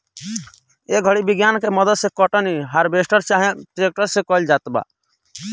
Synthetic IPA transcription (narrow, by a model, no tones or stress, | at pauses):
eɡʱəɽibɪɡjaːnkemɔd̪ət̪sekɔʈɔniɦaɾbeːsʈəɾt͡ʃaːɦẽʈɾeːk̚ʈəɾsekɔld͡ʒaːt̪ba̰ː